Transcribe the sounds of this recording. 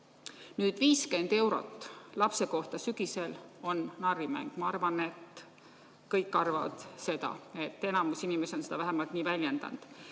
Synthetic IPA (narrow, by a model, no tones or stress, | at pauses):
nyːd̪̥viːske̞nd̪̥e̞wɾo̞̰t̪ːˑlɑpse̞ko̞ht̪ɑsyɡ̥ise̞lo̞nːɑrimæ̰ŋɡ̥mɑɑrvɑne̞t̪ | kɤjkːˑɑrvɑ̰vɑ̰d̪̥se̞d̪ɑ̰e̞t̪ːe̞nɑmusinime̞seonse̞d̪ɑvæɦemɑlt̪niːvælʲje̞nd̪̥ɑ̰nd̪̥